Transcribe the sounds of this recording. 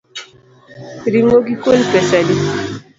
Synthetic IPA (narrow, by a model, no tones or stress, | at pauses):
ɾiŋoɡikolpɛsadi